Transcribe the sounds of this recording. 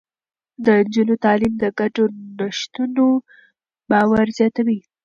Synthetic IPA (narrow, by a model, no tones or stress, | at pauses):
d̪ənd͡ʒunot̪ɑlimd̪əɡaʈonaʃt̪uno | bɑwaɾzjɑt̪awi